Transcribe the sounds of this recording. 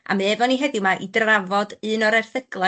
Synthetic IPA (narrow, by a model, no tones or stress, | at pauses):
a̰meːvɔniɦɛdɪwmaʔidravɔdɨːnɔɾɛrθəɡ̥lˠa